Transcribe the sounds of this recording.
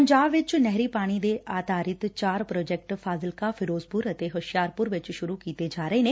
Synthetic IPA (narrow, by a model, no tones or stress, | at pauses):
əɲd͡ʒaːbʋɪt͡ʃnɛɦɾiːpaːɽ̃iːd̪eːaːt̪aːɾɪt̪t͡ʃaːɾpɾoːd͡ʒɛk̚ʈpʰaːzɪlkaːpʰɪɾoːzpʊɾət̪eːɦəʃjaːɾpʊɾʋɪt͡ʃʃʊɾuːkiːt̪eːd͡ʒaːɾəeːneː